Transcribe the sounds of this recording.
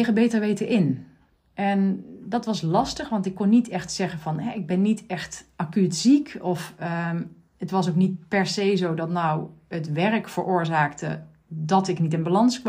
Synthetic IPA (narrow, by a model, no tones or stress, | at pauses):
χəbejtəɹʋejtəʔɪn | ʔɛndɑtʋɑslɑstəχʋɑntɪkːɔnːitɛxtsɛχənvɑnɦɛɪɡ̚bɛnːitɛxtakytsikɔfə | ətʋɑsowknit̚pɛɹsejzowdɔtnawətʋɛɹkfəɹʊːɹzaːktə | dɑtɪknitɪnbalɑnskʋ